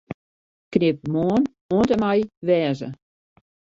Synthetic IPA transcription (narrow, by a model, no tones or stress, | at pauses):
knɪp̚moːn | oəntəmajʋɛːzə̰